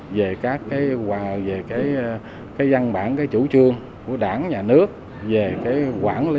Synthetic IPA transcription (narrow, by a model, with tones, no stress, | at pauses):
ve˨˩kaː˦˥kːaː˨˦jve˨˩kaː˨˦j | kaː˨˦jza˧nɓa̰ː˧˩˨nkaː˨˦jt͡ɕṵ˧˦t͡ɕɨ˧əŋ | ku˧˩əɗaː˧˩nɲaː˨˩nɨ˦˥ək̚ | ve˨˩kaː˨˦jkwaː˧˩nli˧˦